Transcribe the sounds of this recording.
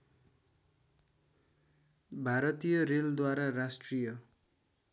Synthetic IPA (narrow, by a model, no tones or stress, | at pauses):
bʱaɾʌt̪ijʌreld̪waɾarasʈrijʌ